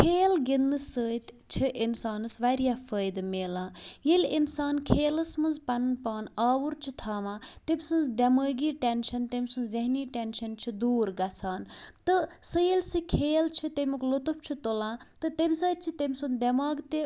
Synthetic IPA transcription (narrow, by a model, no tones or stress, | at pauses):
kʰeːlɡinːɨsəːt̪ | t͡ʃʰiʔinsaːnɨsʋɐɾijaːfəːjd̪meːlãːjilʲinsaːnkʰeːlɐsmɐnzpɐnnpaːnaːʋuɾt͡ʃʰit̪ʰaːʋãːt̪emʲsɨnzd̪ɐməːɡiːʈenʃɐnt̪emʲsunzeɦniːʈenʃɐnt͡ʃʰid̪uːɾɡɐt͡sʰaːnt̪ɨsəjilʲsɨkʰeːlt͡ʃʰit̪emuklot̪uft͡ʃʰit̪olãːt̪ɨt̪emʲsəːt̪̚t͡ʃʰit̪emʲsund̪ɐmaːɡt̪e